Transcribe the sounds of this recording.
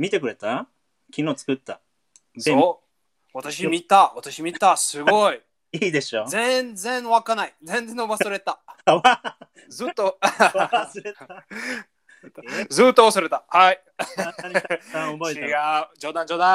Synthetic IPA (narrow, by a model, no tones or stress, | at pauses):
mʲit̪e̞kɯ̟ɾe̞t̪a | kʲʰino̞ːt͡sɨ̥kɯ̟t̪ːa | eo | at̪aɕimʲit̪aβat̪aɕimʲit̪asɨɡo̞i | iːd̪e̞ɕozẽnd͡zẽ̞ɰ̃βakanaid͡zẽnd͡zẽ̞nobasoɾe̞t̪aa | zɨt̪ːo | sɾe | zɨːt̪ːoːsaɾe̞t̪ahai | aobeiɡaɯd͡ʑo̞ːd̪ãɲd͡ʑo̞ːd̪ã